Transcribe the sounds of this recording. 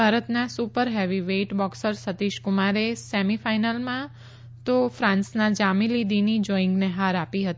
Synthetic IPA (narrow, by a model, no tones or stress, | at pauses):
bʱaɾət̪nasupəɾɦɛʋiʋeʈbɔksəɾsət̪iʃkʊmaɾesɛmifajnəlmã | t̪ofɾãnsnãd͡ʒamilid̪inid͡ʒɔɪ̃ŋɡneɦaɾapiɦət̪i